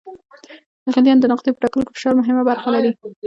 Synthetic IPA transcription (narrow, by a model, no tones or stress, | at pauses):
d̪əɣɪljɑnd̪ənɑqd̪epə̥ʈɑkəlokefə̥ʃɑɾmʊɦɪmabaɾxalaɾi